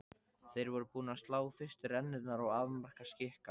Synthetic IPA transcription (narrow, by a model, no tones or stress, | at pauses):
θejɾvɔɾʏpuːnast̪laːwfɪr̥st̪ɪrɛnːɪt̪naɾawaːvmar̥kascɪhka